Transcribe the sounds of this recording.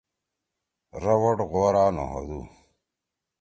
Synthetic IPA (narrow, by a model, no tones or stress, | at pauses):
ɾɐwoʈɣoːɾaːno̰ɦo̰d̪ṵ